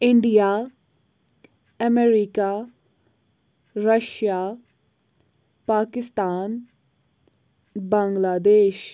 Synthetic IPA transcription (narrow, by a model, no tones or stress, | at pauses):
ɪɳɖijaː | əmeːɾikaː | ɾəʃjaː | paːkɪst̪aːn | bãːŋɡlaːd̪eːʃ